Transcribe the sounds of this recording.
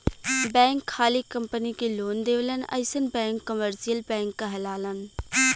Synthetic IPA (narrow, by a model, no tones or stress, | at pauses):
bɛ̃ːŋkʰːaːlikəmpənikeloːnd̪eːʋlənə̰ɪsənbɛ̃ːŋkːəməɾsijəlbɛ̃ːŋkːaɦəlaːlən